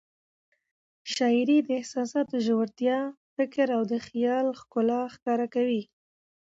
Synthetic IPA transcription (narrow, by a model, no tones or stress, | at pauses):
ʃɑɪɾid̪əɪhsɑsɑt̪̚ːəʒowɾt̪jɑfɪkɾawd̪əxijɑlxkʊlɑxkɑɾakawi